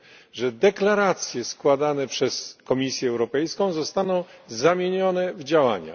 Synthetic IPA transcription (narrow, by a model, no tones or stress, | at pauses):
ʐɛd̪ɛklaɾat̪sʲjɛskwad̪anɛpʂɛskɔmʲisʲjɛːwɾɔpɛjskɔ̃w̃zɔst̪anɔ̃w̃zamʲjeɲɔnɛvd͡ʑawa̰ɲa̰